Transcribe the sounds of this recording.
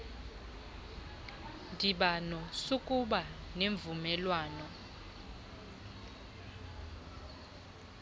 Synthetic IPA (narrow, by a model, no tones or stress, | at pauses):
ndʱiɓanɔsukʼuɓaneɱvumɛlwaːnɔ